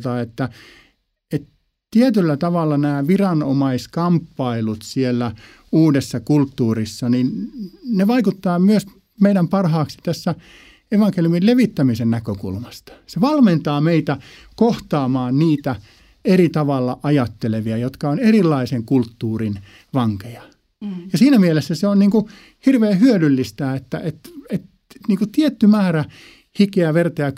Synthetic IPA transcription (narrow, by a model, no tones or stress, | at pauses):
t̪ɑet̪ːæ | et̪ | t̪iet̪ylːæt̪ɑʋɑlːɑnæːʋirɑnomɑiskɑmpːɑilut̪sielːæ | uːdesːɑkult̪ːuːrisːɑninneʋɑikut̪ːɑːmyøs | meiɾæmpɑrhɑːksi̥t̪æsːæ | eʋɑŋkeljumilleʋit̪ːæmisennækøkṵlmɑst̪ɑ̥seʋɑlment̪ɑːmeit̪æ | koht̪ɑːmɑːnniːt̪æ | erit̪ɑʋɑlːɑʔɑjɑt̪ːeleʋiɑjot̪kɑonerilːˑɑiseŋkult̪ːuːrin | ʋɑŋkejɑ | jɑsiːnæmielesːæseonniːŋku | hirʋeːhyølylːist̪æːet̪ːæ̰ʔet̪et̪ | niːŋkut̪iet̪ːymæːɾæ | hikeæʋert̪ɑjɑ